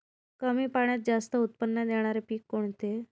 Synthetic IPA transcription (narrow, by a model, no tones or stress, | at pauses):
kəmiːpaɳ̃jat̪̚d͡zast̪əut̪̚pənːəd̪eɽ̃aɾepiːkːoɳt̪e